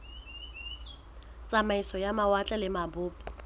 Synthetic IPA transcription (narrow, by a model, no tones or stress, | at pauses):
t͡sʼamaisɔjamawat͡ɬʼɛlɪmabʊːbɔ